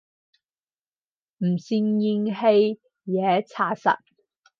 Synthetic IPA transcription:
m̩˨˩siː˧ŋji˧ŋhe˧j | jɛː˨˦t͡sʰaː˧˩sɐ̰˨t̚

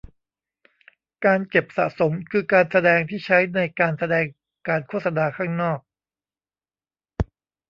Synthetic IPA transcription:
kaː˧nt͡ɕe˨˩p̚sa̰˨˩ʔso˩˦mkʰɯː˧kaː˧nsa˧dɛː˧ŋt̪ʰiː˥˩t͡ɕʰa˦˥jna˧jkaː˧nsa˧dɛː˧ŋ | kaː˧nkʰu˥˩t̪̚sa˧naː˧kʰaː˥˩ŋnɔː˥˩k̚

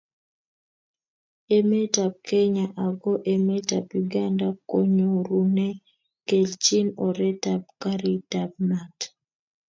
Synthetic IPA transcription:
e˦me˦ta˨p̚kɛ˦ɲa˨ʔa˨ɡɔ˦ʔe˨mɛ˦ta˨pju˨ɡa˦nda˦ko˦ɲo˨ɾu˨nɛ˦ | ke˨lt͡ʃi˦nɔ˨ɾɛ˦ta˨p̚ka˦ɾi˦tab̚na˨t

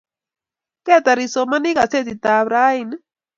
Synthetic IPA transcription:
kɛ˦˨t̪a˨ɾi˨so˨ma˦ni˦ka˨se˦˨t̪i˨t̪a˨βɾa˦i˨n˦

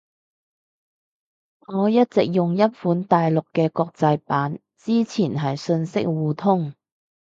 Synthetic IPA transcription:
ŋɔː˨˧jɐ˥t̚t͡sɪ˨k̚jʊ˨ŋjɐ˥t̚fuː˨˥nt̪aː˨jlʊ˨kːɛː˧kɔː˧k̚t͡sɐ˧jpaː˨˥n | t͡siː˥t͡sʰiː˨˩nɦɐ˨jsɵ˧nsɪ˥k̚wuː˨t̪ʰʊ˥ŋ

